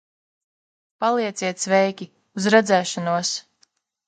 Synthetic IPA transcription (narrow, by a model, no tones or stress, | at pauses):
palˠiɛt̪sʲiɛt̪svɛjkʲi | uzɾɛd̪zæːʃanuɔs